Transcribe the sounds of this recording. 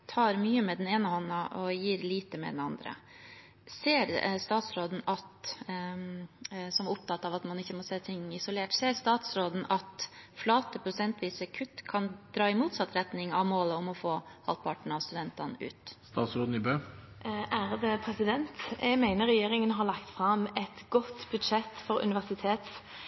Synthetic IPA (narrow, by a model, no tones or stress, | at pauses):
t̪ʰɑːɾmyːəmɛd̪ɛneːnəhɔnːɑʔɔjiːɾliːt̪əmɛ̰d̪ɛnɑnd̪ɾə̰ | seːɾst̪ɑːt̪sɾoːd̪n̩ɑt̪ | sɔmʊp̚t̪ʰɑt̪ːɑʋɑt̪mɑnɪçːəmɔseːt̪ʰɪŋɪsʊleːʈseːɾst̪ɑːt̪sɾoːd̪n̩ɑt̪flɑːt̪əpʰɾʊsɛnt̪ʋiːsəkʰʉt̪ːkʰɑnd̪ɾɑːɪmuːt̪sɑt̪ɾɛt̪nɪŋɑʋmoːləʊmɔfoːhɑlt̪̚pʰɑʈɳ̩ɑʋst̪ʉd̪ɛnt̪ɑnʉ̰ːt̪st̪ɑ̰ːt̪sɾoːd̪n̩ɪbøː | æɾd̪ɛpʰɾɛsɪd̪ɛnt̪ɛɡmæɪnəɾɛjeːɾɪŋənɦɑɾlɭɑkt̪fɾɑmɛt̪ɡɔt̪bʉd̪ʃɛt̪fɔɾʉ̰nɪʋæsɪt̪ʰeːt̪s